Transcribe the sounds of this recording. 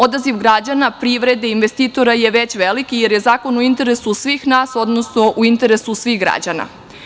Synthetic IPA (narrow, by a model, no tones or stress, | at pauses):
o̞d̪aziʋɡɾad͡ʑanapɾiʋɾe̞d̪einʋest̪iːt̪o̞ɾaje̞ʋet͡ɕʋelikije̞ɾje̞zaːko̞noint̪e̞ɾe̞susʋixnaːso̞d̪no̞sno̞ʔuint̪e̞ɾe̞susʋiɣɡɾa̰d͡ʑa̰na̰